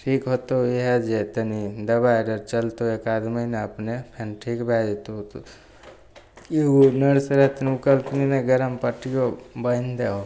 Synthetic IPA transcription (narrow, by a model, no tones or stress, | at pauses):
ʈʰiːkɦot̪oiɦɛd͡ʒet̪ənid̪ɐbajɾəɾt͡ʃəlt̪oekad̪məneəpnepʰenʈʰikbʱɛd͡ʒet̪ot̪o | kiunəɾsɾəɦt̪nukəlpnineɡəɾəmpəʈijobənd̪eɦo